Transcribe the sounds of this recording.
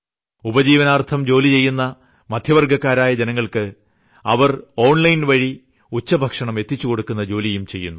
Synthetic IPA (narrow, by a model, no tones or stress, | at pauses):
ubɐd͡ʑiːʋɐnaːrt̪ʰɐmd͡ʑo̞ːlit͡ɕe̞jːunːɐ | mɐd̪ʱjɐʋɐrɡʱɐkːaːɾaːjɐd͡ʑenɐŋːɐɭkɨ | ɐ̰ʋɐro̞ːɳlɐjnʋɐɻi | ut͡ɕːɐbʱɐkʂɐɳɐme̞t̪ːit͡ɕːuko̞ɽukːunːɐd͡ʑo̞ːlijumt͡ɕe̞jːṵnːu